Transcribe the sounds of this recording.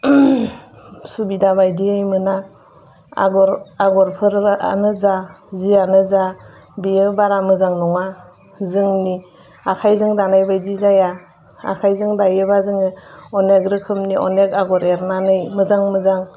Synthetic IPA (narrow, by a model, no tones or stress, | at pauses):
subidabajdiɯjmɯna | a̰ɡɔɾaɡɔɾpʰɯɾa̰nɯza | zianɯza | bijɯbaɾamɯzaŋnɔŋa | zɯŋni | akʰajzɯŋdanajbajdizaja | a̰kʰajzɯŋdajɯbazɯŋɯɔneɡɾɯkʰɯmniʔɔ̰nekaɡɔɾeɾnanɯjmɯzaŋmɯzaŋ